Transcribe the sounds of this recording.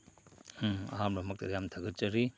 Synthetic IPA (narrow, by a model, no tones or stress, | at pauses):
ɐ̰ɦamlɐmɐk̚tɐjamtʰaɡɐt̚t͡ʃɐɾi